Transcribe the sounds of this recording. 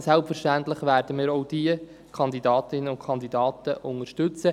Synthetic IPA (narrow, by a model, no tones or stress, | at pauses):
sɛlpfɛʃtæntlɪχʋæːɾd̥əmiːɾoʊd̥iə | kʰɑnd̪idɑːt̪ɪnːənʊnkʰɑnd̪idɑːt̪əʔʊŋəʃtɵt͡sə